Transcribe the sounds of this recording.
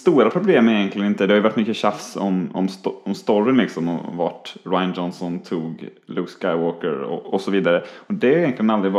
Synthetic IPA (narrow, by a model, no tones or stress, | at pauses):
st̪uːɾapʰɾʊbleːməɪjɛnk̪lɪɡənɪnt̪əd̪ɛhaɾjʏvaʈːmʏkːəɕafsɔ̰mɔ̰msɔmst̪ɔɾɪnlɪksɔmɔva̰ʈɾajand͡ʒɔnsɔnt̪ʰuːɡluːkskaɪwoːkəɾɔ̰ɔsɔviːd̪aɾəɔd̪ɛʏjɛnk̪lɪɡənald̪ɾɪ